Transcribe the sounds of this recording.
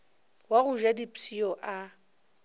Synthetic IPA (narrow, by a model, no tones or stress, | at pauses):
waɣʊʒadipʼiɔʔa